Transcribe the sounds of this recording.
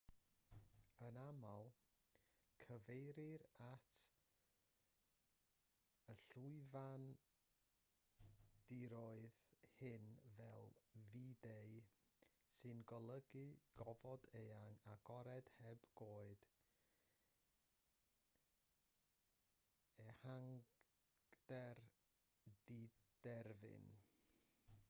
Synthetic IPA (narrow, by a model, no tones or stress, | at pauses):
ənamalˠ | kʰəvejɾɪɾatʰ | əɬuɨvan | d̥iɾoɨðhɪnvɛlˠvidej | sɨnɡɔlˠəɡɨɡ̥ɔvɔdejaŋaɡ̥ɔɾɛd̥hɛb̥ɡ̥oːɨd̥ | ɛhaŋ | d̥ɛr | did̥ɛrvɪ̰n